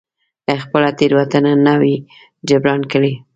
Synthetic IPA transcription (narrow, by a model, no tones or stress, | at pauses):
əxpəlat̪eɾwat̪ananawi | d͡ʒabɾɑnkəɽi